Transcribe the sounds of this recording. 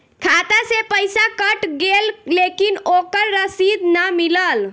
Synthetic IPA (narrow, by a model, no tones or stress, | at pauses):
kʰat̪asepəjsakəʈɡellekinokəɾːəsid̪nəmiləl